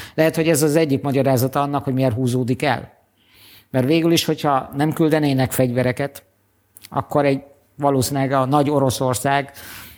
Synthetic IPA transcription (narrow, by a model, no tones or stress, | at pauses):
lɛɦɛt̪ho̞ɟɛzɒzɛɟːikmɒɟɒɾaːzɒt̪ɒɒnːɒkho̞ɟmijɛrɦuːzoːd̪ikɛ̰l | mɛrʋeːɡyliʃho̞cʰhɒnɛmkyld̪ɛneːnɛkfɛɟʋɛɾɛkɛt̪ | ɒ̰kːo̞ɾɛɟ | vɒloːsinlɛɡɒnɒɟo̞ɾo̞so̞rsaːɡ